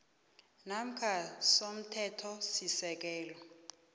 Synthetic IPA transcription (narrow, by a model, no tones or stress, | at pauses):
nam̩kʰasom̩tʰɛtʰɔsisɛk̬ɛːlɔ